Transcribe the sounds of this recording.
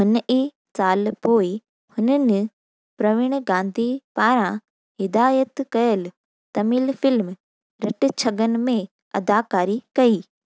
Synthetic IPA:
ɦʊni | saːlpoːi | hʊnənɪ̆ | pɾɐʋɪɽ̃ɡãːnd̪ʱipaːɾã | ɦɪd̪aːjət̪kɐjəl | t̪ɐmiːlfɪlm | ɾɐʈɪ̆t͡ɕʰɐɡən̆mẽ | ɐ̰d̪aːkaːɾikɐiː

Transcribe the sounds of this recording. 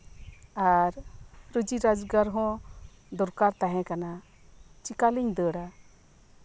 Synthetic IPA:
aɾɾəd͡ʒiɾad͡ʒɡaɾɦɔ̃ | d̪ɔɾkaɾt̪aɦɛ̃kana | t͡ʃikaliɲd̪əɽa

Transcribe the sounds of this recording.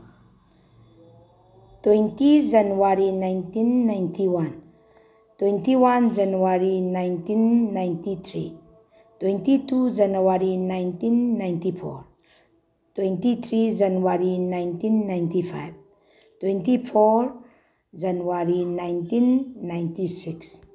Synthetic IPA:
t̪wɛnt̪id͡ʒanuaɾinajnt̪inːajnt̪iwan | t̪wɛ̃nt̪iwand͡ʒanuaɾinajnt̪inːajnt̪it̪ʰɹi | t̪wɛnt̪it̪ud͡ʒanawaɾinajnt̪inːajnt̪ifɔɹ | t̪wɛnt̪it̪ɾid͡ʒanuwaɾinajnt̪inːajnt̪ifajv | t̪wɛ̃nt̪ifɔɹ | d͡ʒanuwaɾinajnt̪inːajnt̪isiks

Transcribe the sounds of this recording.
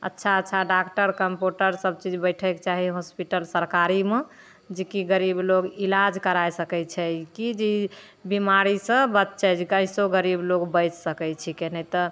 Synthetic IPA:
ə̰tːʃʰaətːt͡ʃʰaɖakʈəɾkəmpjuʈəɾsəb̚t͡ʃid͡ʒbəɪʈʰɛkt͡ʃaɦiɦospiʈəlsəɾkaɾime | d͡ʒekiɡəɾibloɡilad͡ʒkəɾajsəkɛt͡ʃʰɛkid͡ʒi | bimaɾisə̃bət̪t͡ʃʰɛd͡ʒkãɪ̃soɡəɾibloɡbəjt͡ʃsəkɛt͡ʃʰikenɛt̪ɔ

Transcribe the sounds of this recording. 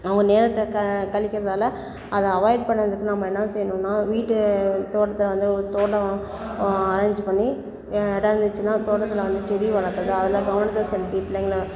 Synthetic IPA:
ɐʋɐŋɡɐneːɾɐt̪ːɐkɐkɐɭɪkːɪɾɐðaːlɐ | ɐðɐ̃ɐʋɐɪɖ̚pɐɳːɐɾɐðɯkːɯnɐmːɐɛnːɐsɛjːɐnʊ̃nːaːʋiːʈːɯt̪oːʈːɐt̪ːɯlʋɐnd̪ɯɯt̪oːʈːɐ | aːɾɐɲd͡ʒpɐɳːi | ɛɽɐɾɐnd̪ɯt͡ʃːɯnːaːt̪oːʈːɐt̪ːɪlʋɐnd̪ɯt͡ʃɛɾiʋɐɭɐkːɐɾɐðɯɐðɪlãːɡɐʋɐnɐt̪ːɐlsɛlɪt̪ːipɪleŋɡɐlɐ

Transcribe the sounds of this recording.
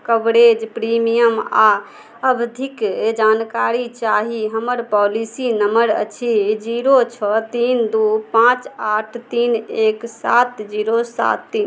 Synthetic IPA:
kəbɾed͡ʒpɾimijəma | əbd̪ʱikd͡ʒankaɾit͡ʃaɦiɦəməɾpɔlisinəməɾə̰t͡ʃʰid͡ʒiɾot͡ʃʰɔt̪ind̪upãt͡ʃaʈʰt̪ineksat̪d͡ʒiɾosa̰t̪ːin

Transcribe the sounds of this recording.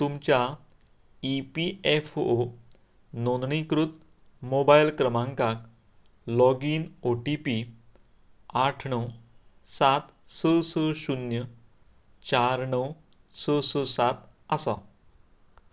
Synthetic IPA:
t̪umt͡ɕja | ipiefo | nonɳikɾut̪ | mobajlkɾəmãŋkak | lɔɡiːnoʈipi | aʈʰɳəwsat̪səsəɕunjə | t͡ɕaɾɳəw | səsəsat̪ | asa

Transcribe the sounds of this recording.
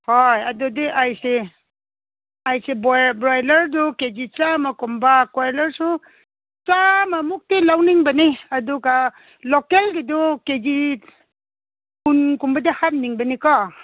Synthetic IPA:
hɔjɐdudiʔajse | ajsebɔbɾajlɐɾduked͡ʒit͡ʃamakɔmbakaɾlɐɾsu | t͡ʃamamuk̚tilawniŋbɐniɐduɡa | lokeldidɔked͡ʒi | unkumbɐdihamniŋbɐnikɔ

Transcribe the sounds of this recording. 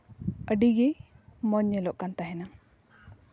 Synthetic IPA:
əɖiɡemɔɲːɛlɔʔkant̪aɦɛna

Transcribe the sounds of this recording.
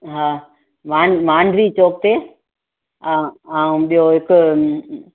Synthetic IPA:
ɦaː | ʋaːɳmaːɳɖʋiːt͡ɕoːk̚t̪eː | aːũɓijoɦɪkʊ

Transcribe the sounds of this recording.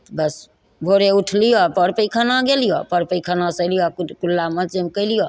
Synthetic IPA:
bəs | bʱoɾeuʈʰlijɔpəɾpəjkʰənaɡelijopəɾpəjkʰənasəlijɔkulːaməd͡ʒemkəjlijo

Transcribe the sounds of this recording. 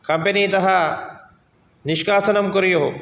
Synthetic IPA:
kɐ̃mpenit̪ɐɦa | nɪʃkaːsənəmkʊɾijoɦoː

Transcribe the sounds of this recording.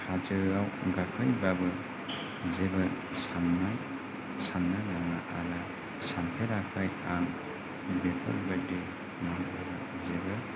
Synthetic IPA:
had͡ʒɯawɡakʰɯjbabɯ | zeba | samːaj | sanːanaŋaʔala | sampʰeɾakʰajaŋ | bepʰɔ̰lbade | mababa | zeba

